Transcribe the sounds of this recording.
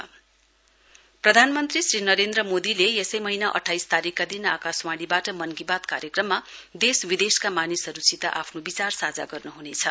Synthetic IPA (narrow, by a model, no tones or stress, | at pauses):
prʌd̪ʱanmʌnt̪risrinʌɾend̪ɾʌmod̪ilejesʌjmʌɦinaʔʌ̰ʈʰːajst̪aɾikːad̪inakaswaɽibaʈʌmʌnkibat̪kaɾjʌkrʌmːad̪eswid̪eskamanisʌɾut͡sit̪a̰ʔapʰnobit͡sarsad͡za̰ɡʌrnuɦunet͡sʰʌ